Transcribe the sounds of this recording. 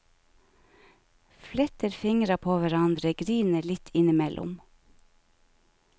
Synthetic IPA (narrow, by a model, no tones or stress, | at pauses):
flɛt̪əɾfɪŋɾɑpʰoːʋæɾɑnd̪ɾəɡɾiːnəlɪt̪ʰɪnɪmɛlʔʊ̰m